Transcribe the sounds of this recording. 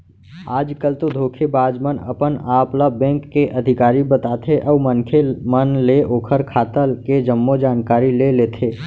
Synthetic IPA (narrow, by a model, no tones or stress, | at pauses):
aːd͡ʒkəlt̪od̪ʱoːkʰebaːd͡ʒmənə̰pənaːpləbɛ̃ːŋkːeʔɐd̪ʱɪkaːɾibət̪aːt̪ʰeʔɔːmənkʰemənleʔoːkʰəɾkʰaːt̪əlked͡ʒəmːod͡ʒaːnkaːɾileleːt̪ʰeː